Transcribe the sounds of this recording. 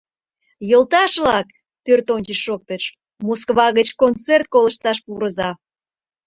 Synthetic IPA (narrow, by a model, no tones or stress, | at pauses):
jəlt̪ɑʃlɑk | pørt̪onʲt͡ɕiʃok̚t̪ət͡ɕ | moskβɑɣət͡ɕkont͡sert̪̚koləʃt̪ɑʃpuɾəzɑ